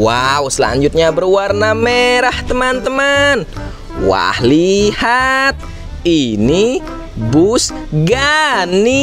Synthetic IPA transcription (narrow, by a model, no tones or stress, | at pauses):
wausəla̰ɲd͡ʒʊt̪̚ɲabərwarnameɾaht̪əmant̪əman | wa̰hlihat̪̚ | ini | bʊs | ɡani